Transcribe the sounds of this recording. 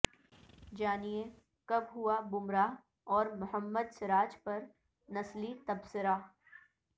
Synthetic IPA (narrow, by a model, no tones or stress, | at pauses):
d͡ʒaːnie | kɐbɦʊabʊmɾa | ɔːɾmʊhəmːəd̪sɪɾaːd͡ʒpɐɾ | nɐslit̪ɐbsɪɾa